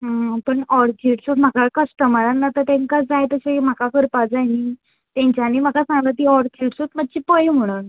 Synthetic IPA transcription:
ɦəpəɳɔɾt͡ɕiʈsut̪m̤akakəsʈəmaɾanːat̪əɾt̪ẽŋkad͡zajt̪əɕaim̤akakəɾpad͡zaɦĩ | t̪ẽɲt͡ɕjaniːm̤akasãŋɡət̪iːɔɾt͡ɕiʈsuːt̪məd̪̚t͡ɕipəjem̤əɽ̃un

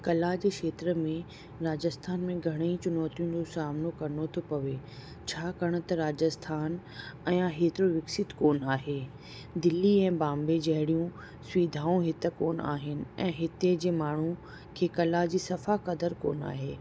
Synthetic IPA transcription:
kɐlad͡ʑeːkʃeːt̪ɾə̆mẽ | ɾaːd͡ʑəst̪ʰaːnmẽɡʱɐɽ̃əit͡ɕʊnɔːt̪ijʊ̃nd͡ʑosaːmnokɐɾnot̪ʰopɐʋe | t͡ɕʰaːkɐɽ̃ʊ̆t̪ɐɾaːd͡ʑəst̪ʰaːnɛ̃ːaɦeːt̪ɪɾoʋɪksɪt̪koːnaːɦeː | d̪ɪlːiɛ̃ːbãːmbed͡ʑɐɦɪɽijũ | sʋiːd̪ʱaːũɦɪt̪ə̆koːna̰ːɦɪnɪ̆ɛ̃ːɦɪt̪ed͡ʑeːmaːɳ̤u | kʰeːkɐlad͡ʑiːsɐfakɐd̪əɾko̰ːna̰ːɦeː

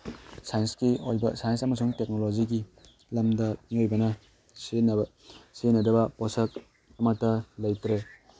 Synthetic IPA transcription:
sajnskiojbɐ̰sajnsɐmɐsuŋtek̚noloziɡi | lɐmdɐmiojbɐnɐ | sen | senɐdɐbɐpɔsɐk̚ | ɐmɐtːɐlɐjtɾe

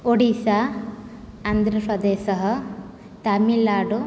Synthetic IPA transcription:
oɽisaː | nd̪ʱɾɐpɾɐd̪eːsɐɦɐ̆ | t̪ɐmilaːɖu

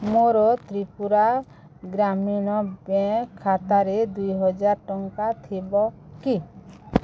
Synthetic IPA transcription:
moɾɔt̪ɾipuɾa | ɡɾamiñɔbɛkʰːat̪aɾed̪ujɦɔd͡ʒaɾʈɔŋkat̪ʰibɔki

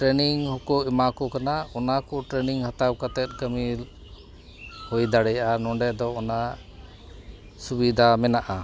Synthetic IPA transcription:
ʈɾɛniŋhɔkɔʔɛmakɔkanaɔnakɔʈɾɛniŋhat̪awkat̪ɛt̪̚ˀkəmil | hɔjd̪aɽɛjanɔɳɖɛd̪ɔɔna | subid̪ʱamɛnaʔa

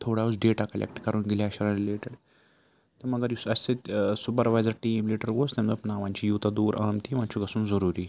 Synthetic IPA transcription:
t̪ʰoɽausɖeːʈakɐlʔḛk̚ʈkəɾuːnɡeljaɕaɾaɾileːʈeɽ | t̪ɐmɐɡaɾjusɐst̪et̪sup̬əɾʋajd͡zəɾʈiːmliʈəɾɡost̪ɛmd͡zopnaʋãɲt͡ɕijuːt̪ad̪uːɾʔaːmʈ̪iːʋãnt͡ɕuɡɐsuːnd͡zəɾuɾiː

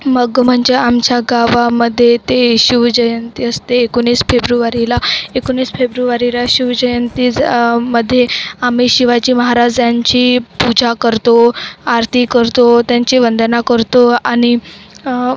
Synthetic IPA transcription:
məɡm̤əɳd͡ʑeamt͡ɕjaɡaʋaməd̪ʱːjet̪eɕiʋd͡ʑəjənt̪iəst̪eːkoniːsfebɾuʋaɾilaekonːiːsfebɾuʋaɾilaɕiʋd͡ʑəjənt̪iːd͡zməd̪ʱːjeamiɕiʋat͡ɕiːməɦaɾad͡zjaɲt͡ɕiːpud͡ʑʱakəɾt̪oaɾt̪ʰikəɾt̪ot̪jaɲt͡ɕiːʋənd̪ənakəɾt̪oaɽ̃i

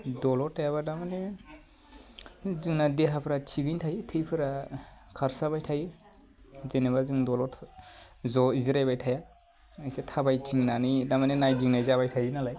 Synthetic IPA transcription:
dɔlɔtʰːajaβadamane | zuŋnadeɦapʰɾat͡ʃʰiɡɯntʰajtʰɯjpʰɯɾa | kʰaɾsabajtʰajɯ | zenebazuŋdɔlɔtʰ | zɔizɾajbajtʰaja | ɯjsetʰabajtʰiŋnanidamanenajdiŋnajzaβajtʰajɯnalaj

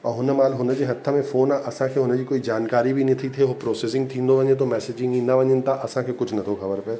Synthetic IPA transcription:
ɔ̃ːɦʊnəmaːlɦʊnəd͡ʒeɦɐt̪ʰːamẽfoːnaʔɐsãkʰeɦonəd͡ʒikoːid͡ʒaːnkaːɾibʱinĩt̪ʰit̪ʰeɦopɾoːseːsɪ̃ŋɡt̪ʰĩːnd̪oʋɐ̃ɲẽt̪̬omɛːseːd͡ʒɪ̃ŋɡĩnɐʋɐ̃ɲɪnt̪aʔɐsãkʰekʊt͡ʃʰnɐt̪ʰoxɐbəɾpe

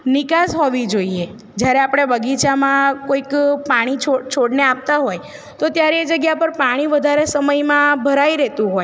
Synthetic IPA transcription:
nɪkasɦɔʋid͡ʒoie | d͡ʒjaɾeapɽ̃ebəɡit͡ʃamãkoikpaɽ̃it͡ʃʰot͡ʃʰoɽneap̚t̪aɦoj | t̪ot̪jaɾeːd͡ʒəɡjapəɾpaɽ̃iʋəd̪ʱaɾesəməjmãbʱəɾaiɾɛɦt̪ũɦoj

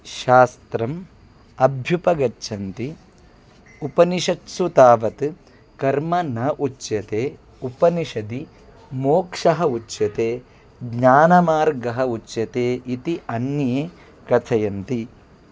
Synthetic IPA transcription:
ʃaːst̪ɾɐm | ɐbʱjupɐɡɐt͡ʃːʃʰɐnt̪i | upɐniʃɐʈsut̪aːʋɐt̪ | kɐɾmɐnɐʔut͡ʃːjɐt̪eː | upɐniʃɐd̪i | moːkʂɐɦɐut͡ʃːjɐt̪eː | ɡɲaːnɐmaːɾɡɐɦɐut͡ʃːjɐt̪eːʔit̪iʔɐnːɐjeː | kɐt̪ʰɐjɐnt̪i

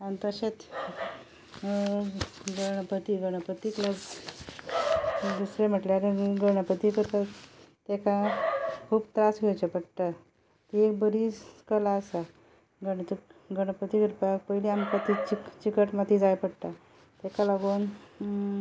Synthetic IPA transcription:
ant̪əɕet͡s̪ | ɡəɽ̃əpət̪iɡəɽ̃əpət̪iklaɡ | d̪usɾem̤əʈljaɾeɡəɽ̃əpət̪ikət̪ə | t̪ekakʰuːbt̪ɾasɡʱet͡ɕepəɽʈ̪a | t̪iekbəɾikəlaəsa | ɡəɽɡəɽ̃əpət̪iɡəɾpakpəjliamkət̪it͡ɕit͡ɕikəʈmat̪id͡zajpəɽt̪a | t̪ekalaɡon

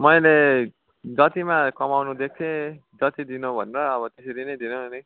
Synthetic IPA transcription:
mʌjle | d͡zʌt̪imakʌmawnud̪ek̚t̪ʰed͡zʌt̪id̪inobʱʌ̰neɾʌːβʌt̪esʌɾinʌjd̪inoni

